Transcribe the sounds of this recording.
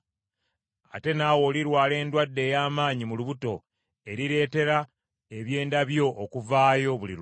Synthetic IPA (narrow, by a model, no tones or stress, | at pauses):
a̰te̞naːwo̞ːliɾwaːle̞ːndwadːe̞ːjaːmaːɲimuluβuto̞ | e̞ɾiɾe̞ːte̞ɾa | e̞βje̞ːndaβjo̞ʔːkuvaːjo̞βulḭɾ